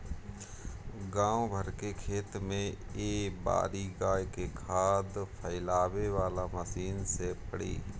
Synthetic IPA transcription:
ɡãːobʱəɾkekʰeːt̪mẽeːba̰ːɾiɡaːjkekʰaːd̪pʰəɪlaːweʋaːlaməsiːnsepəɽḭː

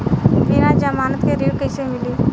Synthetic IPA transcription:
ɡinad͡ʒamaːnət̪keɾiːɽkəɪsemɪli

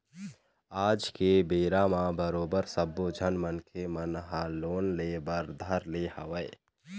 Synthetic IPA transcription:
aːd͡ʒkebeːɾamabəɾoːbəɾsəbːod͡ʒʱənmənkʰemənɦaloːnleːbəɾd̪ʱəɾlehəʋəɪ

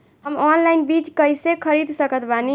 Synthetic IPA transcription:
ɦəmɔnlajnbit͡ʃkəjsekʰəɾid̪ʱsəkət̪bani

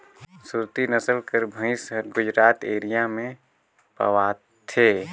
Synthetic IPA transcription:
suɾt̪inəsəlkəɾbʱə̃ɪsɾɡʊd͡ʒɾaːt̪eːɾijamẽ | pɐ̰ʋa | t̪ʰeː

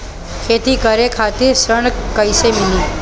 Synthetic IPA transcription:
kʰet̪ikəɾekʰat̪esɾəɳ̃kəjsemini

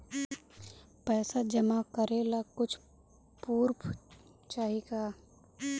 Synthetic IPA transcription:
pɛːsad͡ʒəmakəɾelaɡkʊt͡ʃʰ | puːɾp | t͡ʃaːɦiɡaː

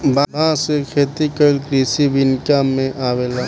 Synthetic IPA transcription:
baãsekʰeːt̪ikəlkɾiːsibɪnkamẽʔaːʋeːla

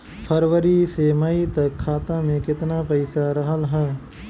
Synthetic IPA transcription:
pʰəɾʋəɾisemɐit̪ɐkʰːaːt̪ãmẽkɪt̪napɐɪsaɾɐɦəlɦɛː

